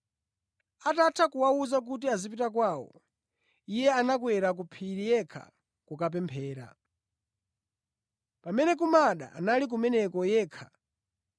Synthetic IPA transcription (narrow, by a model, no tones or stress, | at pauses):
atatʰakuwauzak̬ut̬iazipitakwaːwɔ̰ | ijɛanakwɛɾak̬upʰiɾijɛkʰa̰ | kukap̬ɛmpʰɛːɾa̰ | pamɛnɛk̬umaɗa̰a̰nalik̬umɛnɛkɔjɛːkʰḁ